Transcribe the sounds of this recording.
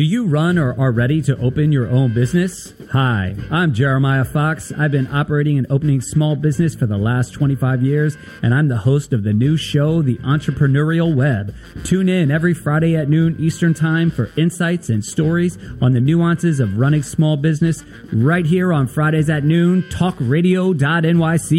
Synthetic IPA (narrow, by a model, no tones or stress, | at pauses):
d̥ɨjɨɹʌ̃nə˞ʔə˞ɹɛɾiɾɨʔoʊpɨ̃njə˞ʔõʊ̃nbɪznɨs | haɪãɪ̃md͡ʒɛɹɨmaɪəfɑksa̰ɪvbɨ̃nɑpə˞eɪɾɪ̃ŋɨ̃noʊpənɪ̃ŋsmɔlˠbɪznɨsfə˞ðəlæstʰw̥ɛ̃ɾ̃ifaɪvjɪɹz | ɨ̰̃ɾ̃ãɪ̃mðəhoʊstʌvðɨnʉʃoʊðiʔɑ̃nt͡ʃɹ̥ɨpʰɹ̥ɨnɛɹil̩ˠwɛb̚ | tʰʉ̃nɪ̃nɛvɹifɹaɪɾeɪɨtⁿnʉ̃nʔistə̃˞ntʰãɪ̃ɱfə˞ʔɪ̃nsaɪtsɨ̃nstɔɹizə̃nðɨnʉɑ̃nsɨzʌvɹʌɾ̃ɪ̃ŋsmɔlˠbɪznɨs | ɹaɪt̚ɦiɹə̃nfɹaɪɾeɪzɨtⁿnʉ̃ntʰɔkɹeɪɾioʊdɑɾɛ̃nwaɪsi